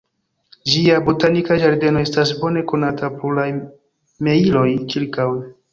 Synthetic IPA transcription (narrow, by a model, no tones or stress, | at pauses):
d͡ʒiabotanikad͡ʒaɾde̞no̞e̞stasbo̞ne̞ko̞natʰapoɾla | me̞ilo̞jkiɾkaw